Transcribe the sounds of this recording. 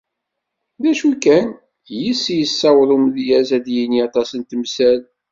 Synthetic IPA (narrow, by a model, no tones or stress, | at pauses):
ðæʃukæn | jisːijəsːɑwðˤumðjæzæðjiniɑt̪ˤɑsənt̪əmsæl